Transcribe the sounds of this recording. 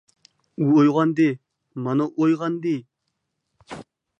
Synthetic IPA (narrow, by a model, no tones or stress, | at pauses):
uojʁɑnd̪ɪ | mɑnɑʔojʁɑnd̪ɪ